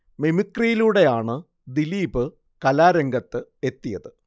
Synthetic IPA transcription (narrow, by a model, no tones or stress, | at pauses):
memikːrijiluːɽe̞jaːɳɨ | d̪iliːbɨ | kɐlaːɾeŋɡɐt̪ːɨe̞t̪ːijɐðɨ